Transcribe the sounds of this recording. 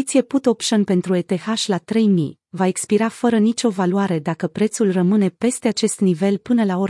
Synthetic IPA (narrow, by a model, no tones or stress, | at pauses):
t̪sije̞put̪opʃonpe̞nt̪ɾue̞t̪e̞xaʃʲlat̪ɾe̞jmḭ | vaekspiɾafəɾənit͡ʃo̞valuaɾe̞d̪akəpɾe̞t̪sulrəmɨne̞pe̞st̪e̞at͡ʃe̞st̪nive̞lpɨnəlao